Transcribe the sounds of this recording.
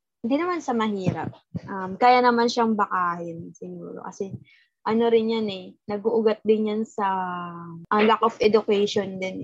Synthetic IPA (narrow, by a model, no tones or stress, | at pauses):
hnd̪inɐmansɐmɐɦiːɾɐ̰p̚ʔɐmkaːjanɐmanʃɐŋbɐkaːhɪnsɪɡuːɾo̞̰kɐsɛ | ʔɐno̞ɾɪnjanɛnɐɡ̚ʊʔʊɡat̪̚d̪ɪnjansɐ | ʔɐŋlak̚ʔofʔɛd̪ʊkɛjʃond̪ɪn